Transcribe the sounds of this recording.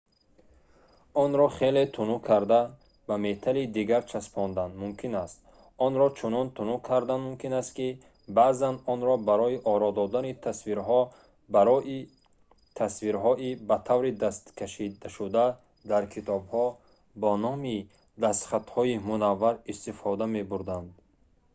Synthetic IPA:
ɔnɾɔχele̞t̪ʰunukʰaɾd̪a | bame̞t̪ʰalid̪iɡaɾt͡ʃʰaspʰɔnd̪anmumkʰinast̪ | ɔnɾɔt͡ʃʰunɔnt̪ʰunukʰaɾd̪anmumkʰinast̪ki | bazanɔnɾɔbaɾɔiʔɔɾɔd̪ɔd̪anit̪ʰasviɾɦɔ | baɾɔʔi | t̪ʰasviɾɦɔʔibat̪ʰavɾid̪ast̪kʰaʃid̪aʃud̪a | d̪aɾkʰit̪ʰɔbhɔ | bɔnɔmi | d̪ast̪χat̪hɔimunavːaɾist̪ifɔd̪ame̞buɾd̪and̪

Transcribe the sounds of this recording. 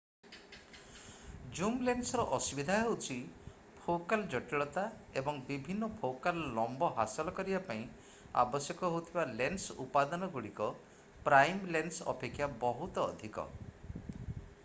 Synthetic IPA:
d͡ʒumlensɔɾɔʔɔsubid̪ʱaɦewt͡ʃʰi | pʰokald͡ʒɔʈiɭɔt̪aebɔŋbibʱinːɔpʰokalːɔmbɔɦasɔlɔkɔɾibapaĩ | a̰bɔsjɔkɔɦowt̪ʰibalensupad̪ɔnɔɡuɽikɔ | pɾajmlensɔ̰pekʰːjabɔɦut̪ɔːd̪ʱikɔ̰

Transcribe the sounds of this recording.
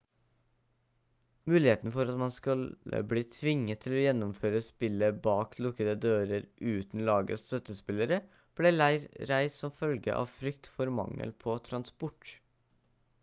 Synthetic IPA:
mʉːlɪheːt̪nfɔɾɑt̪mɑnskʉlə̰bliːt̪ʰʋɪŋːət̪ʰːɪlojɛnːʊmføːɾəspɪlːəbɑːkʰlʊkəd̪əd̪øːɾəɾʔʉːt̪n̩lɑːɡə̰st̪œt̪ːəspɪlːəɾə | b̥lɛlæɪɾɾæɪssɔmfœlɡə̰ʔɑ̰ːʋfɾʏkt̪fɔɾmɑ̰ŋːə̰lpʰɔt̪ʰɾɑnspʊʈ

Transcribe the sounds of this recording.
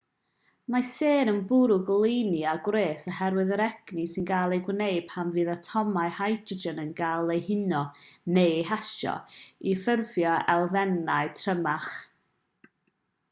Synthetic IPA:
maseːnənbʊɾʊɡəlˠejniaɡwɾeːsəhɛɾwɨðəɾɛɡ̥nisɪnɡaːlˠejɡwnejb̥hanvɨːðatʰɔmajhajdrəd͡ʒənənɡalˠejhɪnɔnejhaʃɔ̰ifərvjɔɛlˠvɛnaɨtʰrəmaχ

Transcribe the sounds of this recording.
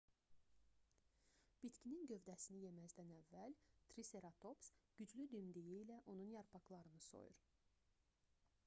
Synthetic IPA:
b̥it̪cʰininɟø̞vd̪æsinije̞mæzd̪ænævːælt̪ʰɾise̞ɾɑt̪ʰo̞psɟ̥yd͡ʒlyd̪ymd̪ijiːlæʔo̞nunjɑɾpʰɑklˠɑɾɯnɯso̞̰jṵɾ

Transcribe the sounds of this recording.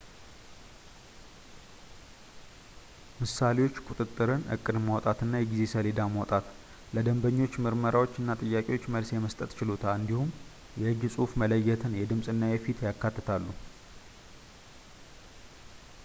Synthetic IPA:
mɨsale̞wo̞t͡ʃːkʼut̪ʼɨt̪ʼːɨɾɨnʔɨ̰kʼːɨd̪mawt̪ʼat̪ɨnːajɛɡize̞səled̪amawt̪ʼat̪ | ləd̪əmbəɲːo̞t͡ʃːmɨɾməɾawot͡ʃːɨnːat̪ʼɨjːakʼewo̞t͡ʃːməlsjɛməst̪ʼət̪t͡ʃɪlot̪ʰaɨnd̪ihum | jɛhɨɡsʼufmələjːɛt̪ʰɨnjɛd̪ɨmsʼɨnːajɛfit̪ʰjakːat̪ːɨt̪ʰalːu

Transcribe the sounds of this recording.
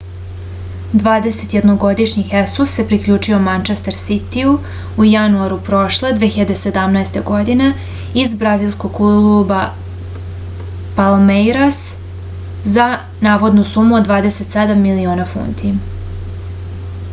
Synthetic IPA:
d̪ʋaːd̪e̞se̞t̪je̞d̪noɡo̞d̪iʃɲixesusːe̞pɾikʎuːt͡ʃio̞mant͡ʃest̪eɾsit̪iu | ujanuaɾupɾo̞ʃlˠed̪ʋeçiʎad̪e̞se̞d̪amnaest̪e̞ɡo̞d̪ine̞ | izbɾazilˠsko̞ɡuluba | palmejɾas | za | naːʋo̞d̪nusumuod̪ʋaːd̪e̞se̞t̪sed̪amːilioːnafṵnt̪ʰi

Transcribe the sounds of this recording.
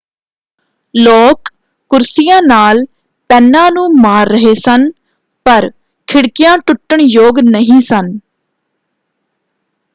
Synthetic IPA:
loːkː | ʊɾsɪjãːnaːl | pɛːnːãːnũːmaːɾːəɦeːsən | pəɾ | kʰɪɽkɪjãːʈʊʈːəɳjoːɡnəɦĩːsən

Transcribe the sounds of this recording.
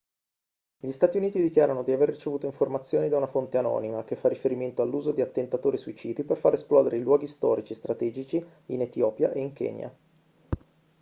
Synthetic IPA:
ʎist̪aːt̪iuniːt̪id̪ikjaːɾanod̪iaverːit͡ʃevuːt̪oiɱformat̪sːjoːnid̪aunafont̪eanɔ̰ːnimakefːarːifeɾiment̪oalːuːzod̪iat̪ːent̪at̪oːɾisuit͡ʃiːd̪iperfaɾesplɔːd̪eɾeilwɔːɡist̪ɔ̰ːɾit͡ʃiest̪ɾat̪ɛːd͡ʒit͡ʃi | inet̪jɔːpja̰ʔeiŋkɛ̰ːnja̰

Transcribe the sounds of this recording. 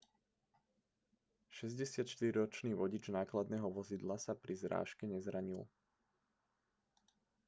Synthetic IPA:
ʃɛzɟɛsɪat̪ʃt̪iɾɾɔt͡ʃniːʋɔɟid͡ʒnaːklad̪nɛːɦɔʋɔzid̪lasapɾizɾa̰ːʃkɛɲɛzɾaɲil

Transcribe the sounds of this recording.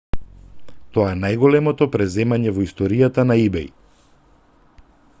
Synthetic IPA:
t̪ɔaɛnajɡɔlɛmɔt̪ɔpɾɛzɛmaɲɛvɔist̪ɔɾijat̪anaibɛj

